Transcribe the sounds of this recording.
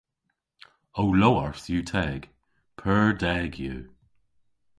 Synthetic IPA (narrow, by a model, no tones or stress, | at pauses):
owlowəɹθjuːtʰɛːɡ̥ | pʰɜɹdɛːɡjuː